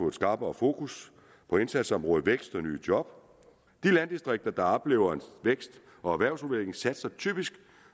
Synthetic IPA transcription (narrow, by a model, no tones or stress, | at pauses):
ɔ̽e̝d̥sɡ̥ɑ̈ːb̥ɒfo̝ːkus | pʰɒ̽e̝nsæd̥sɒ̽mʁɔ̽ːð̩ˠʋeɡ̥sd̥ɒny̰ːd̥jɒ̽b̥ | d̥ilænd̥isd̥ʁeɡ̥̚d̥ɐd̥ɑ̈ɒ̽b̥le̝ːʊɐenʋeɡ̥sd̥ | ɒ̽æʋæɐʊsʁuʋeleŋ̩sæd̥sɑ̈ɪt͡sʰy̰ːb̥isɡ̥